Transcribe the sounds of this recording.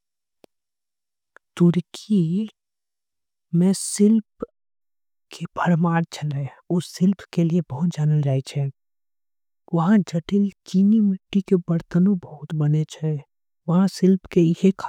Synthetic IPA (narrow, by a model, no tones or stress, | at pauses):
t̪ʊɾkʰi | mɛ̃sɪlp | kʰebʱəɾmaːɾt͡ʃʰɐle | ʊsːɪlpkeliebɐɦʊt̪̚d͡ʒaːnəld͡ʒaːet͡ʃʰɛ | ʋɐɦãd͡ʒɐʈɪlkiːnimɪʈːikebɐɾt̪ənõbɐɦʊt̪bɐnet͡ʃʰɛ | ʋɐɦãsɪlpkeɪɦekʰ